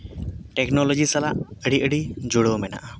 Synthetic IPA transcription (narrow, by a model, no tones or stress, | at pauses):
ʈɛknɔlɔd͡ʒisalaʔəɽiʔəɽid͡ʒuɽəwmɛna̰ʔa